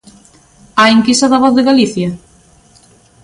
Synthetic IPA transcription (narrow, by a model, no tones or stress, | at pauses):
aiŋkist̪aðaβɔθðɪɣaliθja